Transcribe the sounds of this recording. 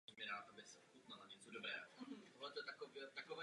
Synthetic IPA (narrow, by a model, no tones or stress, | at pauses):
mɪɾaːt̪abɪsɛxut̪nalaɲɛt͡sodobɾɛ̰ːɦot̪oɦlɛt̪ojɛt̪akovɛt̪akovɛ